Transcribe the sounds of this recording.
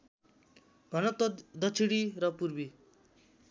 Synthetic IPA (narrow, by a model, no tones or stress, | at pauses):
ɡʱʌnʌt̪d̪ʌt͡sʰiɽiɾʌpurbi